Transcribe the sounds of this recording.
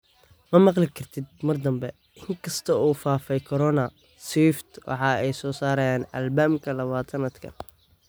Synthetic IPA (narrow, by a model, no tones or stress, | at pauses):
mɐmɑqlɪkʰɐrt̪ʰɪd̪̚mɐrd̪ɐmbɛ | ʔɪŋkʰɐst̪ʰɐuːfaːfɛjkʰɔɾɔnɐ | swift̪wʔɑ̰ħɑːɛjsɔːsaːɾɐjaːnɐ̰lbaːmkʰɐlɐβaːt̪ʰɐnɐd̪kʰɐ̰n